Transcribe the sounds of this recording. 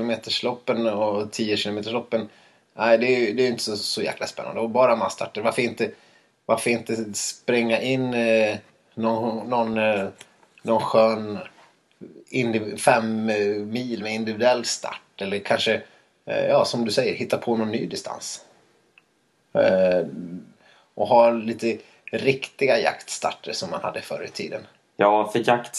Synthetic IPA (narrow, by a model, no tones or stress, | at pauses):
ʊmeːt̪əʂɭɔpːənɔt̪ʰiːəɕɪlʊmeːt̪əʂlɔpːən | æɪd̪ɛæjd̪ɛːjʏɪnt̪ʰə̥ssɔjæ̰ːklaspɛnːa̰nd̪ɔbɑːɾamast̪ʰa̰ʈːəɾvaɾfəɾɪnt̪ə | vaɾfəɾɪnt̪əspɾɛŋːaʔɪnː | nɔːɔn | ɔnɧøːn | ɪnd̪ɪfɛmmiːlmɛɪnd̪ɪvɪd̪ɵɛlːst̪ʰa̰ʈːɛlːəɾkʰanʂə | jɑːsɔmd̪ɵsɛjːəɾhɪt̪ːapʰɔnɔnːyːd̪ɪst̪ʰa̰ns | ʔɔɦaːliːt̪ə | ɾɪkt̪ɪɡaja̰kt̪st̪a̰ʈːəʂɔmːa̰nha̰d̪ːəfœ̰ːɾə̰t̪ʰḭːd̪ən | jɑːfœjakt̪